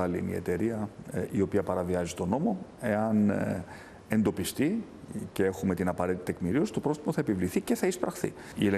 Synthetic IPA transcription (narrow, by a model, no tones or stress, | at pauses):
ɐliḭnḭe̞̰t̪e̞ɾiɐio̞piɐpɐɾɐviɐzit̪o̞no̞mo̞e̞ɐn | e̞nd̪o̞pist̪i | ce̞e̞xume̞t̪inɐpɐɾit̪it̪e̞kmiɾio̞si̥t̪o̞pɾo̞st̪i̥moθɐe̞pivliθice̞θɐispɾɐxθḭ | iele